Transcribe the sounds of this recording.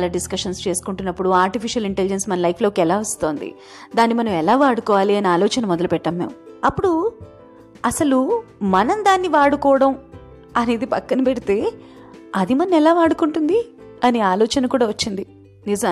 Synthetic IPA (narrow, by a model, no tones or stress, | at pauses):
lɐɖiskɐʂɐnst͡ʃe̞ːsu̥kuɳʈunːɐpːuɽuaːɾʈipʰiʂɐliɳʈelid͡ʒensmɐnɐlɐjpʰlo̞ːkiɛlaːʋɐst̪o̞ːnd̪ḭ | d̪aːnːimɐnɐmɛlaːʋaːɽukɔːʋaːliɐniaːlɔːt͡ʃɐnɐmɔd̪ɐlupɛʈːɐːmːeːmɐpːuɽu | ɐsɐlumɐnɐmd̪aːnːiʋaːɽukɔːɽɐm | ɐne̞ːd̪ipɐkːɐnɐpɛɽit̪e̞ː | ɐd̪imɐnɐmɛlaːʋaːɽukuɳʈund̪iɐniaːlɔːt͡ʃɐnɐkuːɽaːʋɐt͡ʃːind̪i | nizɐ